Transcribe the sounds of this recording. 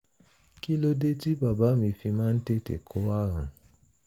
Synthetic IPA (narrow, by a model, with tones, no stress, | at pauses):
ki˦lo˦de˦ti˦ba˨ba˨˦mĩ˧fi˧mãː˦n̩˦te˦tḛ˨kʰo˨˦wa˦ɾã˨